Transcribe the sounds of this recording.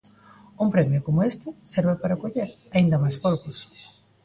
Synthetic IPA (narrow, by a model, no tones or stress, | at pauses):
umpɾɛmjʊkomʊest̪ɪseɾβepaɾakoʎeɾaind̪ɐmajskoɾkʊs